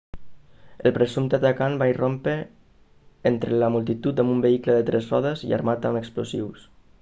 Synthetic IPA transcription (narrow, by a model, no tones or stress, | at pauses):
əlˠpɾəzumt̪at̪akanbairompe | ent̪ɾələmulˠt̪it̪ut̪əmumbəikləðət̪ɾesrɔ̰ðəzḭa̰ɾmat̪əməksplozḭws